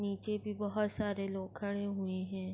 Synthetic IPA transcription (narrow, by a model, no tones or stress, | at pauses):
niːt͡ʃebʱibəɦʊt̪saːɾeloːɡkʰːəɽ̃ẽɦʊeɦɛ̃ː